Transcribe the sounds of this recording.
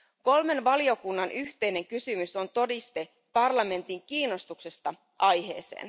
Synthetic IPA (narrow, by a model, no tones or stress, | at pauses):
ko̞lme̞nʋɑlio̞kunːɑnʔyht̪e̞jne̞ŋkysymyso̞nt̪o̞dist̪e̞ | pɑrlɑme̞nt̪iŋkiːnːo̞st̪ukse̞st̪ɑ | ʔɑjɦe̞̰ːse̞̰ːn